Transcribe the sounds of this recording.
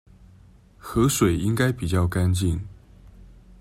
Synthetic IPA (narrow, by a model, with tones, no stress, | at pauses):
xɤ˧˥ʂwe˨˩ɪi˥ŋka˥ɪpi˨˩t͡ɕjɑ˥˩ʊka˥˦nt͡ɕi˥˩n